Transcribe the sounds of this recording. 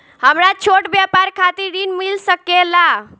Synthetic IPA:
həmɾat͡ʃʰoʈbjapaɾkʰat̪iɾinmilsəkela

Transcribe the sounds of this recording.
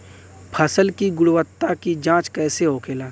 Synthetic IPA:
pʰəsəlkiɡʊɽwət̪ːakid͡ʒãːt͡ʃkɛːseɦoːkʰeːlaː

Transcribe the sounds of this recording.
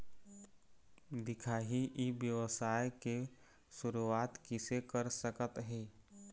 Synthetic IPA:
d̪ɪkʰaːɦiʔibjəʋəsaːjke | sʊɾuaːt̪kɪsekəɾsəkət̪ɦeː

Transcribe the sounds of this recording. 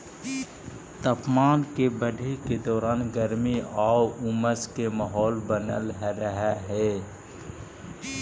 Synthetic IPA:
t̪əpmaːnkebəɖʱeked̪ɔːɾaːnɡəɾmiaːwʊməskemaɦɔːlbənə̰lɦɛɾəɦaɦɛː

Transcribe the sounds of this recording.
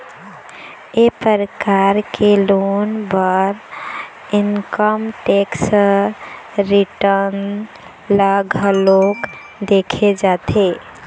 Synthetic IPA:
epəɾəkaɾkelonbəɾ | inkəmʈeks | ɾiʈəɾn | ləɡʱəlok | d̪ekʰed͡ʒat̪e

